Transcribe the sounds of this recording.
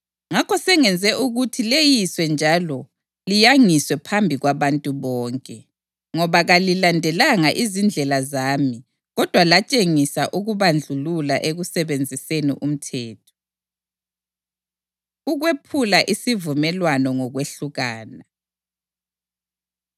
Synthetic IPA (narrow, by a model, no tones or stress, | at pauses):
ŋakʰɔsɛŋɛnd͡zʱɛʔuɣutʰilejiswɛnd͡ʒʱalɔ | lijaŋiswɛpʰambʱiɣwaβantʼuβɔːŋkʼɛ | ŋɔβaɣalilandʱɛlaŋaʔizind͡ɮʱɛlazaːmi | ɣɔd̥ʱwalat͡ʃʼeŋisaʔuɣuβand͡ɮʱululaʔeɣusɛβend͡zʱisenḭʔum̩tʰɛːtʰɔ̥ | uɣwepʰulaʔisivumɛlwanɔŋɔɣweɬuɣaːna